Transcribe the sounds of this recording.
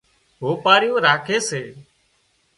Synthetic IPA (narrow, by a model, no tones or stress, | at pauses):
ɦoːpaːɾɪjõːɾaːkʰeːseː